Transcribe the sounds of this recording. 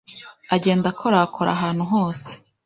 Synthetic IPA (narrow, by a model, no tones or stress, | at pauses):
aɟe̞ːndakʰoɾaːkʰo̞ɾa̰ɦaːn̥huɦo̞ːse̥